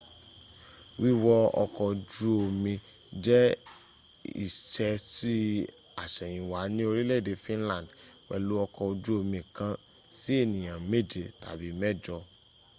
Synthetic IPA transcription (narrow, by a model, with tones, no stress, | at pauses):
wi˦˨wɔ˦ɔ̰˧kɔ˧d͡ʒu˦o˧mĩ˧ | d͡ʒɛ˦ | ḭ˦˨ʃɛ˧si˦ | a˨ʃɛ˨j̃ĩ˨wa˨˦nĩ˦o˧ɾi˦le˦˨de˨˦fĩ˦lã˦˨d | wɛ̰˨lu˦ɔ˧kɔ˧o˧d͡ʒu˦o˧mĩ˧˨kã˧ | si˦e˦˨nĩ˨j̃ã˨me˦˨d͡ʒe˧˨ta̰˨bi˨˦mɛ˦˨d͡ʒɔ˧